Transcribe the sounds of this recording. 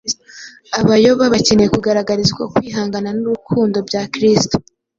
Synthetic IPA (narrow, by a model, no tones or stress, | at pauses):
aβajo̞βaβace̞nejekuɡaɾaɡaɾizɡwa̰kwiːɦaːŋɡananuβukʰuːndo̞bɟaːkɾisto̥